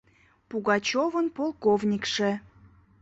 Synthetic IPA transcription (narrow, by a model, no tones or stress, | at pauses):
puɣɑt͡ɕovənpolˠkovnʲikʃe